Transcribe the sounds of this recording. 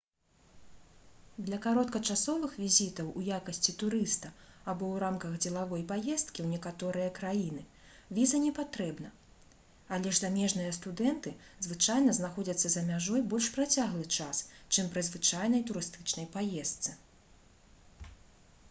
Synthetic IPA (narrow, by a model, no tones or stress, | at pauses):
d̪lʲɐkaɾɔt̪̚kɐt͡ʂasɔvɨxvʲizʲit̪ɐwʔujakɐsʲt͡sʲit̪uɾɨst̪ɐabɔwɾamkɐɣd͡zʲɛlˠavɔjpajɛst̪̚kʲiwnʲɛkat̪ɔɾɨjɐkɾajin̪ɨ | vʲizɐnʲɛpat̪ɾɛbnɐ | alʲɛʐzamʲɛʐnɨjɐst̪ud̪ɛnt̪ɨzvɨt͡ʂajnɐznaxɔd͡zʲɐt̪sːɐzɐmʲaʐɔjbɔlʲʂpɾat͡sʲaɣlˠɨt͡ʂast͡ʂɨmpɾɨzvɨt͡ʂajnɐjt̪uɾɨst̪ɨt͡ʂnɐjpajɛst̪sɨ